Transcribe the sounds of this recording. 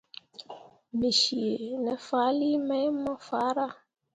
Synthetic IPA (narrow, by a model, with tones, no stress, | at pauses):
mi˨ʃi˨e˨nɛ˨fa˦li˦mɛ̃˦jmə̃˦fa˨˦ɾa˦